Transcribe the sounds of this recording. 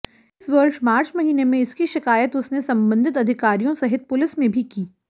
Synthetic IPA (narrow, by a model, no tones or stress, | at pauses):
ɪsʋəɾʃmaːɾt͡ʃmɐɦiːnemẽɪskiʃɪkaːjət̪ʊsnesɐ̃mbə̃nd̪ʱɪt̪ɐd̪ʱɪkaːɾijõsɐɦɪt̪̚pʊlɪsmẽbʱikiː